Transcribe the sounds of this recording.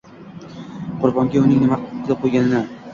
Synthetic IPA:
qʰʊɾbɒmɡʲaʊnɪŋnɪmazaqʰojɡʲanɪna

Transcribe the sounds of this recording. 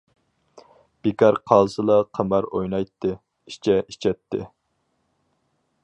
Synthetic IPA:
b̥ekʲɑɾqʰɑːzɨlˠɑqʰəmɑɾojnɑjt̪ʰːɨ | i̥t͡ʃʰɛit͡ʃʰɛt̪ʰːɪ̰

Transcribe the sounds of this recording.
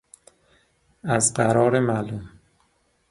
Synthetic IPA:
æzɢæɾɒːɾemælum

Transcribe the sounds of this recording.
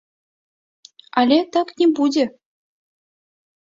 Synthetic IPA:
ɑlʲet̪ə̆knʲebudʲĕ

